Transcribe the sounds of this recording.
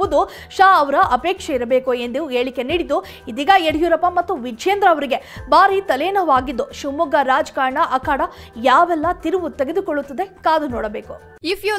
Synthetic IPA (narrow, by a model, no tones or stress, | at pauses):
ud̪u | ʃaːɐʋɐɾɐʔɐpeːkʂeiɾɐbe̞ːkuend̪uueːɭikːe̞niːɽid̪u | id̪iːɡɐeɽjuɾɐpɐmɐt̪ːuʋid͡ʒeːnd̪ɾɐːʋɾiɡe̞baːɾit̪ɐleːnɐʋaːɡid̪ːuʃumuɡɐɾaːd͡ʒkaːɾɳɐʔɐkaːɽɐjaːʋɛlːɐt̪iɾuʋut̪eɡe̞d̪ukɔɭːut̪ːɐd̪e̞kaːd̪unɔːɽɐbeːku | ifju